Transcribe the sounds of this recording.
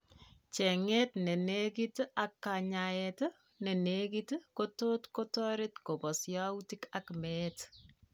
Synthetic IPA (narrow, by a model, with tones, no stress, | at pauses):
t͡ʃɛ˨ŋɛ˦tnɛ˨ne˦kita˨kːa˨ɲaɛt | nɛ˨ne˦ki˦tkoto˦tko˦tɔ˦ɾe˦tko˨pɔ˨sja˦uti˦ka˨kmɛt